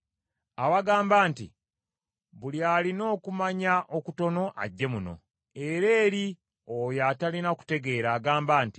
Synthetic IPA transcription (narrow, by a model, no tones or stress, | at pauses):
awaɡaːmbaːntḭ | βulialino̞ːkumaɲaʔo̞kuto̞no̞ʔa̰ɟːe̞muno̞̰ | e̞ɾe̞ːɾi | ojatalinaku̥te̞ɡe̞ːɾaːɡaːmbaːnti̥